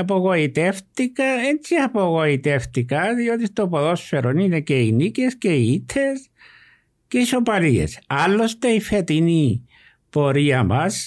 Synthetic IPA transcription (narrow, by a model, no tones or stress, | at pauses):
ap̬oɣait̪eft̪ikaent͡siapowait̪eft̪ikasiot̪ist̪opoðoseɾoninekeinikeskeit̪ʰes | keʃopaɾiḛsalost̪eifet̪ini | poɾiamas